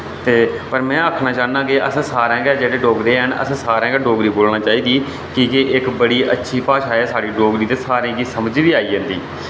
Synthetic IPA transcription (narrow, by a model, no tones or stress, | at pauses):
t̪eːpəɾmɛ̃ːəkʰnãːt͡ʃaːnãːkeʔəsːsaːɾãːɡɛːd͡ʒeːɽeːɖoːɡɾeːɦənə̰sːsaːɾãːɡɛːɖoːɡɾiːboːlnãːt͡ʃaːiːd̪iː | kɪkeʔɪkbəɽiːʔətːʃʰiːpaːʃaːeːsaːɽiːɖoːɡɾiːt̪eːsaːɾẽːɡiːsəməd͡ʒd̪iːaːiːd͡ʒə̃nd̪iː